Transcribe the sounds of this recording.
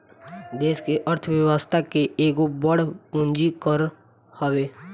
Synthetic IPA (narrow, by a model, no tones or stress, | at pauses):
d̪eːskeʔəɾt̪ʰʋjəwəst̪ʰakeʔeːɡobəɽpʊ̃nd͡ʒikəɾ | hɐʋeː